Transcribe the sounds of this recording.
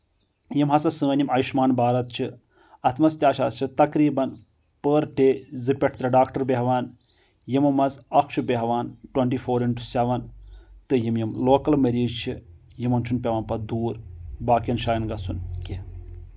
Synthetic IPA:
jimɦɐsɐsə̃ːnjimɐjiʃmaːnbaːɾɐt̪̚t͡ʃʰi | ɐt̪ʰmɐst̪ʲjaːʃa̰ːst͡ʃʰit̪ɐkɾiːbɐn | pəɾʈeːzɨpʲɐʈʰt̪ɾɐɖaːkʈɐɾbeɦʋaːn | jimɐmɐzɐkʃɨbʲeɦʋaːnʈwɐɳʈiːfoːɾiɳʈu̥sɛʋɐnt̪ɨjimjimloːkɐlmɐɾiːd͡ʒt͡ʃʰijimɐnt͡ʃʰunpʲɐʋɐːnpɐd̪uːɾbaːkijɐnʃaːjɐnɡɐsunkʲi

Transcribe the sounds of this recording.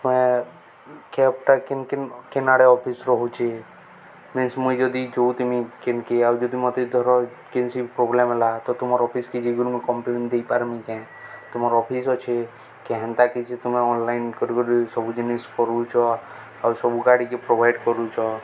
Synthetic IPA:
t̪mẽ | kɛpʈakenkekenaɽeɔpʰisɾɔɦut͡ʃʰe | minsmuid͡ʒɔd̪id͡ʒot̪umikenkeawd͡ʒɔd̪imɔt̪ed̪ʱɔɾɔ | kensipɾoblemɛlat̪ɔt̪umɔɾɔpʰisked͡ʒiɡuɽmẽkɔmplend̪eipaɾmikɛ̃ | t̪ʊmɔɾɔpʰis̬ɔt͡ʃʰe | keɦɛ̃nt̪akit͡ʃʰet̪umẽɔnlajnkɔɾiɡoɽisɔbud͡ʒiniskɔɾut͡ʃʰɔ | awsɔbuɡaɽikepɾobʱajɖkɔɾut͡ʃʰɔ

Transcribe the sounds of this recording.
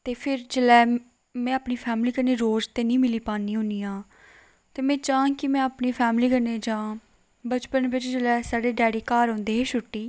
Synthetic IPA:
t̪eːpʰɪɾd͡ʒəlɛː | mɛ̃ːaːpniːpʰɛːmliːkəɾneːɾoːzt̪eːnĩːmɪliːpaːniːɦʊ̃niːãː | t̪eːmɛ̃ːt͡ʃãːkɪmɛ̃ːapniːpʰɛːmliːkəɾneːd͡ʒãː | bət͡ʃpənʋɪt͡ʃd͡ʒəlɛːsaːɽeːɖɛːɽeːkaːɾõːnd̪eːɦeːʃʊʈːiː

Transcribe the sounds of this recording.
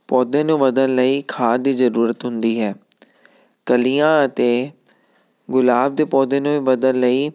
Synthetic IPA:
pɔːd̪ẽːnũːʋəd̪ənləiːkʰaːd̪iːzəɾuːɾət̪ɦʊnd̪iːɦɛː | kəliːãːət̪eː | ɡʊlaːb̚d̪eːpɔːd̪ẽːnũːĩːʋəd̪ənləiː

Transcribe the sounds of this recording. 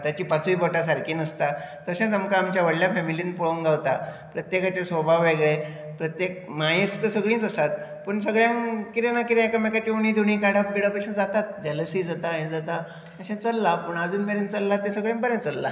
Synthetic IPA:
t̪jat͡ɕiːpat͡suipəʈas̬aɾkiːnəst̪at̪əɕãt͡səmkaːmt͡ɕjaʋəɽljafɛmiliːnpuɭoŋɡawt̪a | pɾət̪jekat͡ɕesʋobʱaʋːeɡɭe | pɾət̪jek̚majẽst̪əsəɡɭĩːt͡səsat̪̚pəɳsəɡɭjãŋkiɾenakiɾẽekamekat͡ɕiuɳiːd̪ʱuɳiːkaɽabiɽapaɕãd͡zat̪at̪̚d͡ʑɛləsid͡zat̪aɦẽd͡zat̪a | əɕãt͡səlːapəɳad͡zuːnbeɾẽnt͡səlːat̪esəɡɭjãmbəɾjẽnt͡səlːa

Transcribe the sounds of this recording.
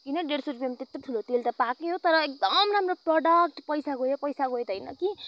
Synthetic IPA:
kinʌɖeɽsoɾupjamt̪et̪oʈʰulot̪elt̪ʌpakeɦot̪ʌɾʌek̚d̪ʌmramroproɖʌk̚ʈpʌjsaɡojepʌjsaɡojt̪ʌjnʌ̰ki

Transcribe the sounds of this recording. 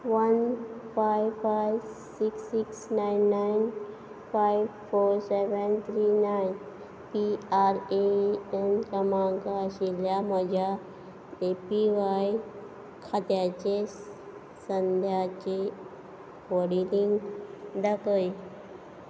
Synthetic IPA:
ʋənfajʋfajʋ | siksːiksnainːajn | fajʋfoɾseʋənt̪ʰɾinajn | piaɾeenkəmaŋkaəɕiljaməd͡ʑʱa | epiʋaj | kʰat̪jat͡ɕe | sənd̪ʱjat͡ɕe | ʋəɽiliŋɡd̪akəj

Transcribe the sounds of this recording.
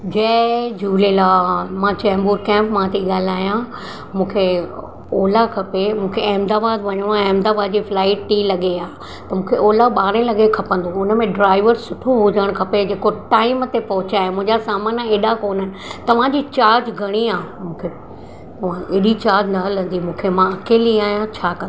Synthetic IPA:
d͡ʑɛːd͡ʑuːlelaːmãːt͡ɕɛːmbuːɾkɛ̃ːmpmãt̪ʰiɠaːl̤aːjã | mũːkʰe | oːlakʰɐpemũːkʰeɐɦmd̪aːbaːd̪ʋɐɲəɽ̃ɛːmd̪aːbaːd̪̚d͡ʑiːflaːɪʈʈilɐɠeaː | t̪ɐmũːkʰeʔoːlaɓaːɾẽlɐɠekʰɐpə̃nd̪oʊnəmẽɖɾaːɪʋəɾsʊʈʰoɦʊd͡ʑəɽ̃kʰɐped͡ʑeːkoʈaːɪmt̪epɐɦʊt͡ɕaːɦemʊ̃ɦɪ̃ɲd͡ʑasaːmaːnaeːɗakoːnənɪ̆t̪ɐʋ̤ãd͡ʑiːt͡ɕaːɾd͡ʑɡʱɐɽ̃iaːɦmũːkʰe | ãʔeːɗit͡ɕaːɾd͡ʑnɐɦɐlə̃n̆d̪imũːkʰemãɐkeːliaːɦijãt͡ɕʰaːkɐ̃

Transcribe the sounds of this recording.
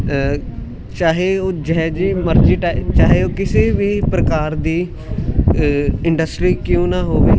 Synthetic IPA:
t͡ʃaːɦeːoːd͡ʒɛd͡ʒiːməɾd͡ʒiːʈaːt͡ʃaːɦeːoːkɪseːʋiːpɾəkaːɾd̪iː | ɪɳɖəsʈɾiːkjõːnãːɦoːʋiː

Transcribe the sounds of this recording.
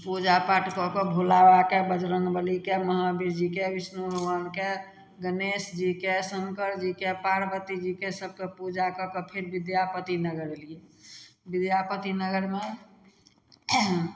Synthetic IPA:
pud͡ʒapaʈkɔkɔbʱulawakebəd͡ʒɾənbəlikeməɦabiɾd͡ʒikebisnuɾuʋənke | ɡənesd͡ʒikesəŋkəɾd͡ʒikepaɾbət̪id͡ʒikesəb̚ʱkepud͡ʒakɔkɔpʰeɾbid̪japət̪inəɡəɾeliebid̪japət̪inəɡəɾme

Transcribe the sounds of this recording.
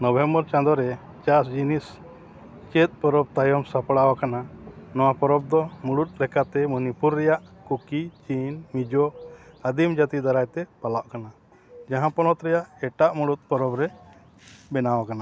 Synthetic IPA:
nɔbʱɛmbɔɾt͡ʃãnd̪ɔɾɛ | t͡ʃas̬d͡ʒinis | t͡ʃɛt̪̚ˀpɔɾɔb̚t̪ajɔmsapɔɽawakananɔwapɔɾɔb̚d̪ɔmuɽut̪̚lɛkat̪ɛmɔnipuɾːɛjaʔkukit͡ʃinmid͡ʒɔad̪imd͡ʒat̪id̪aɾajt̪ɛpalaʔkana | d͡ʒaɦãpɔnɔt̪ɾɛjaʔɛʈaʔmuɽut̪̚pɔɾɔbɾɛ | bɛnawakana

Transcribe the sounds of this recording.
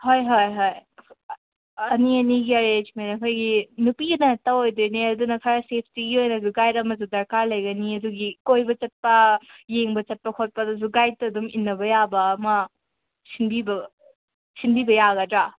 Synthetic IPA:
hojɦojɦoj | ɐniɐniɡiɐɾet͡ʃmenɐkʰojɡinupiɐnɐtɐwojduneɐdunɐkʰaɾɐsep̚ʰtiɡiojnɐzuɡajdɐmɐzudɐɾkaɾlɐjɡɐniɐduɡikojbɐt͡ʃɐt̚pɐjeŋbɐt͡ʃɐt̚pɐkʰot̚pɐdɐz̬uɡaj̚tɐːduminːɐbɐjabɐːmɐ | sinbibɐ | sinbibɐjaɡɐdɾa

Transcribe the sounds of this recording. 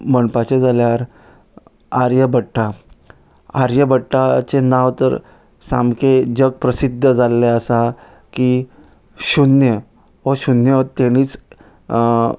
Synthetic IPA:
məɳpat͡ɕed͡zaljaɾ | aɾjəbəʈʰːa | aɾjəbəʈʰːat͡senaʋt̪əɾ | sa̰mked͡ʑəɡ̚pɾəsid̪ʱːəd͡zalːeəsa | ki | ɕunjə | ɦɔɕunjət̪eɽ̃iːt͡s

